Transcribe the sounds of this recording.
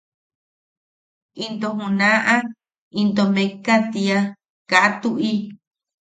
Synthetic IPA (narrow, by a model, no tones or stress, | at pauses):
int̪oɦũnãʔa | int̪omẽkat̪ia | kaʔat̪uʔi